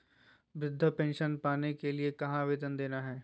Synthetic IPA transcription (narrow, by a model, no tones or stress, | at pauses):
bɾɪd̪ʱːəpɛ̃ːnʃənpaːnekeliekɐɦãʋɪːd̪ənd̪eːnaɦɛː